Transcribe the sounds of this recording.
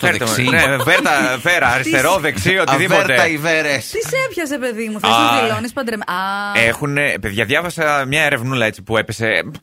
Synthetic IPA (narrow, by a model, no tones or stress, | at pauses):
eɾt̪sineveɾt̪ɐveɾɐːɾisst̪e̞ɾoðeksiot̪iðipoɾt̪eɐiveɾest̪isepçɐsɾepeðimufeɐst̪ilonispɐd̪ɾemɐexunepe̞ðʝɐðʝɐvɐsɐmɲɐeɾe̞vnulɐet͡si̥pue̞pese̞